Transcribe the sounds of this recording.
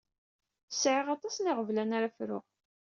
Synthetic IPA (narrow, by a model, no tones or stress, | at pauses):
sʕeʁɑt̪ˤɑsnɪʁəvlænaɾafɾʊ̰ʁ